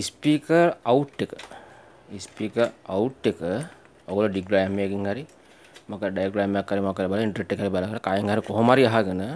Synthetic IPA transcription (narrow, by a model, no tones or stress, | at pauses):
ispiːkəɾawʈːekə̥ | ispiːkəɾauʈːekə | oɡoloɖiɡɾajmekiŋhaɾi | makəɾɖajɡɾajmjakːaɾimakːaɾebalaiɳʈəɾeʈːekɦaɾibalakaɾakajŋɦaɾikoɦomaɾiaɦaɡənə